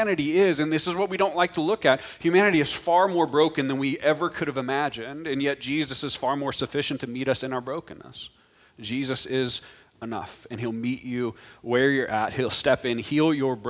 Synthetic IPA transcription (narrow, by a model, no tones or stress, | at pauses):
nɨɾiɪzɨ̃nðɪsɨzwʌt̚wiɾõʊ̃nʔlaɪk̚tʰəlʊkɨt̚hjʉmæñɨɾiɨz̥fɑɹmɔɹbɹoʊkɨ̃nðɨ̃nwiʔɛvə˞kʰʊɾɨvɨmæd͡ʒɨ̃ndɨ̃njɛt̚d̥ʒ̥izɨsɨz̥fɑɹmɔɹsɨfɪʃɨ̃n̩tʰɨmiɾʌsɨ̃ñaʊə˞bɹoʊkɨ̃nːə̰s | d̥ʒ̥izɨsɪz | ənʌ̰fɨ̃nilˠmit͡ʃʉwɛ˞jə˞ʔæt̚hilˠstɛpɪ̃nhilˠjə˞b